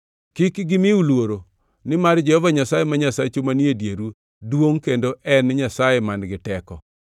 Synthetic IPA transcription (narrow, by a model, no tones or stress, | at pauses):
kikɡɪmɪulwoɾo | nɪmard͡ʒɛhɔvaɲasajemaɲasat͡ʃomaniedjeɾu | dwoŋkendoʔɛnɲasajemanɡɪtɛkɔ̰